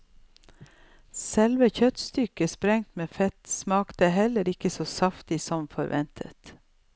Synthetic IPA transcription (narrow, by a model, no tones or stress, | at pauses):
sɛlʋəçœt̪st̪ʏkəspɾɛŋt̪meːfɛt̪smɑːkt̪əɦɛləɾɪkəsoːsɑft̪ɪsɔmfɔɾʋɛ̰nt̪ʰə̰t̪